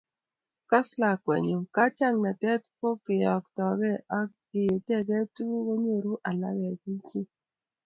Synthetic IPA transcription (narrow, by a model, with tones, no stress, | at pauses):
ka˦sla˨kwɛ̰˨ɲo˨ka˦tja˦ŋna˨tɛ˦t̚ko˦kɪ˨jɔ˨k̚tɔ˨ɡɛ˦a˦ | i˨je˨tɛ˦˨ɡɛ˦tu˦ɡo˦ɲe˦˨ɾu˦ʔa˨la̰˦ɣɛ˨ki˦ti˦